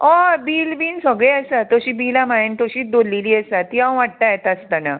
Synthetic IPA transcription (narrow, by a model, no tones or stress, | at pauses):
ɔbiːlbiːnsəɡɭeəsat̪ɔɕiːbilamajint̪ɔɕiːd̪olːiliːəsat̪iãw̃ʋaʈ̚t̪ajet̪ast̪ana